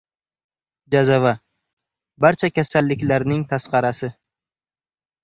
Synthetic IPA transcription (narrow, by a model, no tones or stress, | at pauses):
d͡ʒazava | baɾt͡ʃʰakʲʰasalːɪkʲlaɾnɪŋt̪ʰasqɑɾasɪ